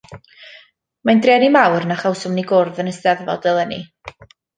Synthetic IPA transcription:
mandrɛːnimawrnaχawsʊmniɡʊrðənəsdɛðvɔ̰lˠd̥əlˠənḭ

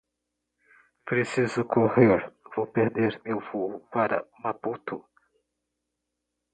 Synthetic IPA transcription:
pɾesizʊkʰoheɾvowpeɾd̪eɾmewfohʊpaɾɐ̰maput̪ʊ

